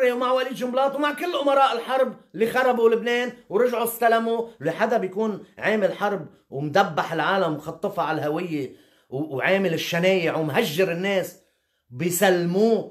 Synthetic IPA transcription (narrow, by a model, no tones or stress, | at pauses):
iwmaʕwaliːd̪ʒʊmlɑːt̪wmaʕkɪlːʔʊmɑɾˤɑːʔɪlħɑɾˤblːixɑɾˤɑbulɪbneːnwɾɪʒʕust̪alamuleħad̪abjkuːnʕeːmɪlħɑɾˤb | wmd̪abːaħɪlʕaːlamxɑt̪ˤːɨfɑʕalhawɪjːe | wʕeːmɪlɪʃːaneːjɪʕwɪmɦaʒːɪɾɪnːeːs | bɪjsalːmuː